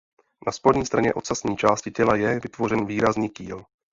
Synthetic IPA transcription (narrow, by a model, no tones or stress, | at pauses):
naspodɲiːst̪ɾaɲɛ̰ʔot̪sasɲiːt͡ʃaːscɪcɛlajɛvɪt̪vo̞rɛnviːɾazniːciːl